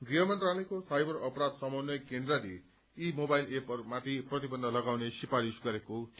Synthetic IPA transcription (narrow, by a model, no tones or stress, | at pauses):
ɡriɦʌmʌnt̪ralikosajbʌrʌpɾad̪sʌmʌnʌjkẽnd̪raɾi | imobajlepʌrmat̪ʰiprʌt̪ibʌnd̪ʱʌlʌɡawnesipaɾisɡʌɾekot̪